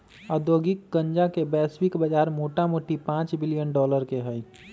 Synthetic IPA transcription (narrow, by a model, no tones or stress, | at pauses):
əd̪oːɡɪkːə̃ɲd͡ʒakebɛːswɪkbəd͡ʒaːɾmoːʈamoːʈipãːt͡ʃbɪlijənɖɔːləɾkeɦɛi